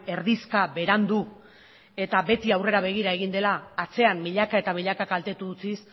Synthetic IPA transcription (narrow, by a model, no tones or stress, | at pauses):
e̞ɾðiskaβe̞ɾand̪u | e̞t̪abe̞t̪iawre̞ɾaβ̞e̞ɣ̞iɾae̞ɣind̪e̞laːt͡se̞ammiʎakae̞t̪amiʎakakalt̪e̞t̪ut͡sis